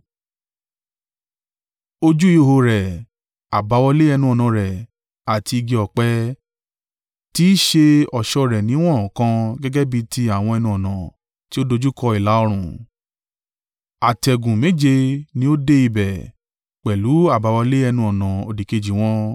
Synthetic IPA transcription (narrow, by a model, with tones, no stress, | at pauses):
o˧d͡ʒu˦i˦o˧ho˧ɾɛ˨ | a˨ba˨˦wɔ˧le˦ɛ˧nũ˦ɔ˨nã˨ɾɛ˨ | a˨ti˧i˧ɡi˧ɔ˨k͡pɛ˧˦ | ti˦ʃe˧ɔ˨ʃɔ˧ɾɛ˨nĩ˨˦w̃ɔ̃˦˨kã˧ɡɛ˦ɡɛ˦bi˧ti˧a˦˨w̃ɔ̃˧ɛ˧nũ˧ɔ˨nã˨ | ti˦o˦do˧d͡ʒu˦kɔ˧i˨la˨˦o˧ɾ̃ũ˨ | a˨tɛ˨ɡũ˨me˨˦d͡ʒe˧nĩ˦o˦de˦i˧bɛ˨ | k͡pɛ˨lu˨˦a˦˨ba˨˧wɔ˧le˦ɛ˧nũ˧ɔ˨nã˨o˨di˨ke˧d͡ʒi˨w̃ɔ̃˦